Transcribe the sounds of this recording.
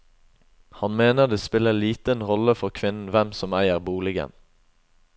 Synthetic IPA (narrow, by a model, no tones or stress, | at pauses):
hɑnmeːnəʁd̪eːspɪləliːt̪ənʁɔləfɔʁkʰʋɪnn̩ʋɛmsɔmæɪəʁbuːlɪɡə̰n